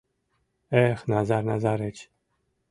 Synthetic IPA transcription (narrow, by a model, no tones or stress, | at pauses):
ɛxnazaɾnazaɾɛt͡ʃ